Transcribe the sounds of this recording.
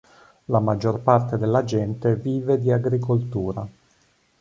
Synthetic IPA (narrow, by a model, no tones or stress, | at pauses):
lamad͡ʒːorpart̪ed̪elːad͡ʒɛnt̪eviːved̪iaɡɾikolt̪uːɾa